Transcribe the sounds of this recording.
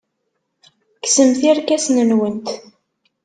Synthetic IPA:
ksəmθiɾkæsnənwənt̪

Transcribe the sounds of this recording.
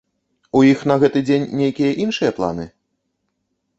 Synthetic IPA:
ujixnɐɣɛt̪ɨd͡zʲenʲːejkʲijɐʔinʂɨjɐplˠa̰nɨ̰

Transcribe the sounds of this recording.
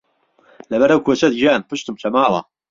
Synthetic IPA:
lɐbɐɾɐwkʰoːt͡ʃɐd̪ɡiaːnpɨʃt̪umt͡ʃʰɐmaːlˠɐ̰

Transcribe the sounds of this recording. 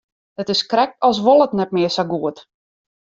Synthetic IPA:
dətɪskrɛk̚tɔlˠs̬ʋolˠətnɛt̚mɪəsaɡuət

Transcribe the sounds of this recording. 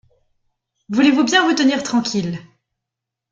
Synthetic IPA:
vulevubjɛ̃vut̪əniʁt̪χɑ̃kʲʰil

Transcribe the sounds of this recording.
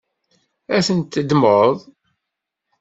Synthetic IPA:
æθənt̪ːəd̪məðˤ

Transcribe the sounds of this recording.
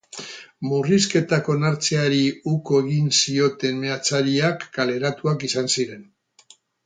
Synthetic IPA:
muriske̞t̪ako̞naɾt͡seaɾiuko̞eɣinsio̞t̪e̞nme̞at͡saɾiakːale̞ɾat̪uakisansiɾe̞n

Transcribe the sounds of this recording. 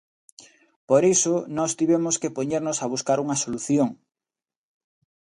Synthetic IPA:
poɾisonɔst̪iβɛmʊskepoɲeɾnʊsaβ̞uskaɾuŋɐsoluθjoŋ

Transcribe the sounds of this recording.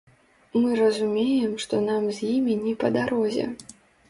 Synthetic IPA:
mɨɾɐzumʲejɛmʂt̪ɔnamzʲjimʲinʲɛpɐd̪aɾʔɔzʲɛ̰

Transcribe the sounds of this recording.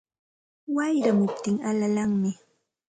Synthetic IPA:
wajɾamʊp̚t̪ɪŋalalaŋmɪ

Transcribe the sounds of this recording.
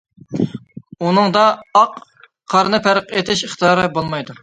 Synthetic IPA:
unɨŋd̪ɑːq | qʰːɑɾnɨpʰæɾəqet̪ʰɪʃəχt̪ʰɨjɑɾɨbolˠmɑjd̪u

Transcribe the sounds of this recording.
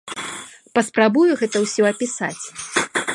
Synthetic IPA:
pɐspɾabujuɣɛt̪ɐwsʲɔɐpʲisa̰t͡sʲ

